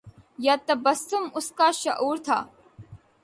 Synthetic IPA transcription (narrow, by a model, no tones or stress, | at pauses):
jat̪ɐbɐsʊmʊskaːʃɐ̰ʔuːɾt̪ʰa̰ː